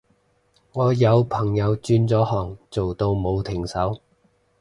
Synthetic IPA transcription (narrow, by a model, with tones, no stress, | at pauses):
ŋɔː˨˧jɐ˨˧wpʰɐ˨˩ŋjɐ˨˧wt͡ʃyː˧nt͡sɔː˨˥hɔː˨˩ŋt͡so˨wt̪o˧wmo˨˧wt̪ʰɪ˨˩ŋsɐ˨˥w